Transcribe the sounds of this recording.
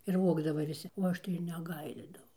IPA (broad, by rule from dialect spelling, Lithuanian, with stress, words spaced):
ɪr ˈʋoːɡdɐʋɐ ʋʲɪˈsʲɪ oː ˈɐʃ tɐɪ ɪr nʲɛˈɡɐɪlʲeːdɐʋɐʊ